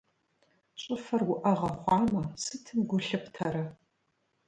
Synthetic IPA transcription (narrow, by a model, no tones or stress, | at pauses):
ɕʼɪfɐrwʊʔɐʁɐχʷɑːmɐsɨtʰɨmɡʷʊɬɨpʰtʰɐɾɐ